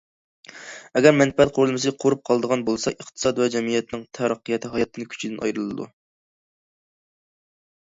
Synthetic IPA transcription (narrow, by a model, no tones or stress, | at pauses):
ɛɡʲɛɾmɛnpɛɛt̪̚qʰoɾlˠmɨs̬ɨqʰoɾup̚qʰɑlˠd̪əʁɑnbolˠsɑʔəχt̪ʰɨ̥sɑd̪wɛd͡ʒɛmɨjɛt̪nɪŋt̪ʰæɾəqʰːəjɛt̪ʰɨɦɑjɑt̪ʰːɨnɪkʲʰy̥t͡ʃʰid̪ɪnʔɑ̰jɾɨlˠɨd̪ṵ